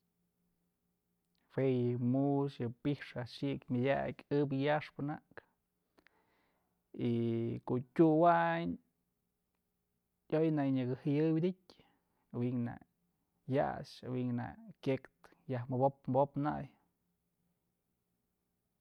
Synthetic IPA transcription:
wejɨmusjɨpihʂaʃiʔkmʲadʲakʲɨbɨjaʂpɨnaʔk | ikoʔtʲuwaɲ | ojnaʔjɲɨɡɨhɨjɨwid̪ʲitʲ | awiʔŋna̰ | ja̰ʂawiŋna̰kʲekt̪ | jahmɨbop̚mbopna̰j

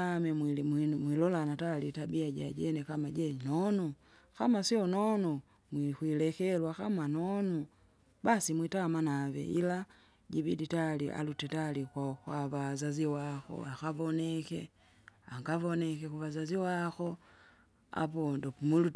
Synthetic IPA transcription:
amɛmwilɔlanatalitabiaɟa̰ɟɛnɛkamaɟɛnɔnɔ | kamasiɔnɔnɔ | mwikwilɛkɛlwakamanɔnɔ | basimwitamanavɛ̰ʔḭla | ɟibiditaliʔa̰lutɛtalikwakwaβazaziwaxɔ̰akavɔnɛkɛ̰ | aŋɡavɔnɛkɛkuvazaziwaxɔ | a̰pɔndɔpumilu

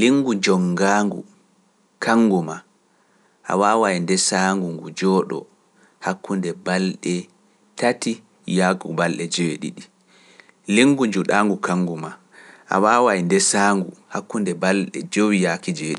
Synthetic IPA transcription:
liŋɡud͡ʒɔŋɡaːŋɡṵ | kʰaŋɡuma | ʔa̰waːwaindɛsaːŋɡuŋɡud͡ʒɔɗɔ̰ | hakːundɛbalɗɛ | tati | jakubalɗɛd͡ʒeɗḭɗi | liŋɡud͡ʒuɗaŋɡukaŋɡuma | ʔa̰waːwajndɛsaːŋɡuhakːundɛbalɗɛ̰d͡ʒowijakid͡ʒeɗi

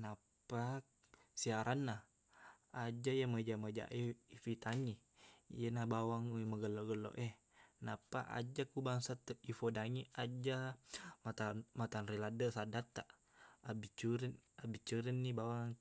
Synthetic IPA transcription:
na | pak | siaɾʔanːah | ad͡ʒajaməd͡ʒaməd͡ʒa̰ʔifit̪aŋi | jənabawaŋməɡəloɡəlo̰ʔe | na̰paʔa̰d͡ʒakubaŋsat̪əifodaŋiad͡ʒamat̪amat̪anriladəsadat̪ːaʔ | abit͡ʃuɾinabit͡ʃuɾinːibawaŋ

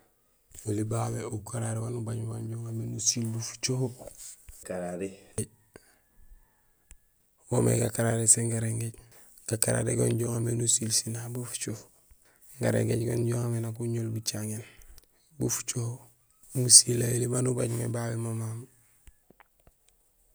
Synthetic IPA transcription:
wolibabeukaɾaɾewanubaɲboɲɟoːŋamenusilbufu̥t͡ʃoho | kaɾaɾeɟ | womḛɡakaɾaɾeseŋɡaɾeŋɡeɟ | ɡ̥akaɾa̰ɾeɡoɲɟoŋamenusilsinabufu̥t͡ʃof | ŋɡaɾḛŋɡeɟɡoɲɟoːŋamenakuɲolbut͡ʃaŋen | bufu̥t͡ʃoho | musilajilibanubaɲmebawemomam

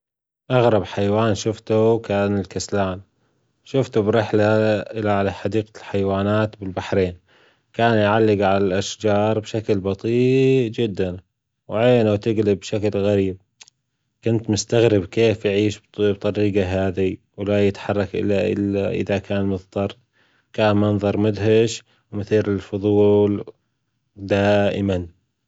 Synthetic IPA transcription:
ʔɑɣɾˤɑbħajwaːnʃʊft̪ukaːnɪlkaslaːn | ʃʊft̪ubɾɪħlaʔɪlːaʕalaħɑd̪iːqalħajwaːnaːt̪bɪlbaħɾeːn | kaːnjʕalːɪɡʕalalʔaʃd͡ʒɑːɾˤbʃaklbɑt̪ˤiːʔd͡ʒɪd̪ːan | wʕeːnawt̪ɪɡlɪbʃaklɣaɾiːb̚ | kʊnt̪mʊst̪aɣɾɪbkeːfjʕiːʃbbt̪ˤɑɾiːɡaɦaːði | wlajɪt̪ħɑrˤːɑkʔɪ̰lːaʔɪ̰lːaʔɪ̰ðakaːnmʊðt̪ˤɑɾˤ | kaːnmɑnðˤɑɾˤmʊd̪ɦaʃ | wmʊθiːɾɪlfʊðˤuːl | d̪aːʔɪman

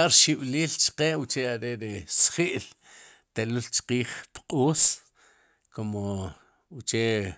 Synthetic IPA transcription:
aɾʃiɓ̥liːlt͡ʃqeːwut͡ʃeaɾeɾesχiʔl | t̪elult͡ʃqiːχpqʼuːs | komo | ut͡ʃe

